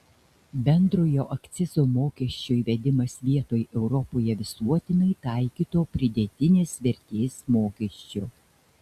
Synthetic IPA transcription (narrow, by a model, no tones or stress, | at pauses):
bʲɛnd̪ɾoːjoːʔɐkʲt̪sʲɪzoːmoːkʲɛʃʲt͡ʃʲojʋʲɛd̪ʲɪmɐsʋʲiɛt̪oːjʔɛʊɾɔpoːjɛʋʲɪsuɔt̪ʲɪnɐɪt̪ɑˑɪkʲiːt̪oːpʲɾʲɪd̪ʲet̪ʲɪnʲeːsʋʲɛɾʲt̪ʲeːsmoːkʲɛʃʲt͡ʃʲʊ